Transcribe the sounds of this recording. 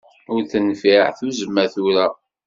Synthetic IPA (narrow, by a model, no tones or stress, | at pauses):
ʊɾθənfiʕθuzəmːæθuɾæ